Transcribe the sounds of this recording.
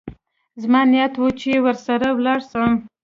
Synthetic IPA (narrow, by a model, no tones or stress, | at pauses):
zmɑnijat̪wut͡ʃewəɾsaɾawlɑɽsəm